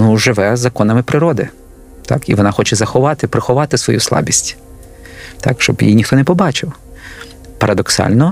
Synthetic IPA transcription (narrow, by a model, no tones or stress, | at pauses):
nuʒɪʋɛzɐkɔnɐmɪpɾɪɾɔd̪ɪ | t̪ɑ̰kiʋɔnɑxɔt͡ʃɛzɐxɔʋɑt̪ɪpɾɪxɔʋɑt̪ɪsʋɔjuslˠɑ̰bʲisʲtʲ | t̪ɑ̰kʃt͡ʃɔbjḭjnʲixt̪ɔnɛpɔbɑt͡ʃɪw | pɐɾʔɐd̪ɔksɑ̰lʲnɔ